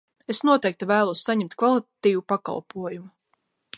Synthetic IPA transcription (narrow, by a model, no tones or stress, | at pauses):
esnuɔt̪ɛjk̚t̪ivæːlˠuɔssaɲɛmt̪kvalˠit̪at̪iːvupaka̰lˠpuɔjumu